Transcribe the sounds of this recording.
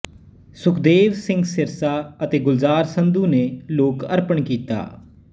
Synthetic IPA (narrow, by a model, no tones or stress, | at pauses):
sʊkʰd̪eːʋsɪ̃ŋɡsɪɾsaːət̪eːɡʊlzaːɾsənd̪uːneːloːkəɾpəɳkiːt̪a̰ː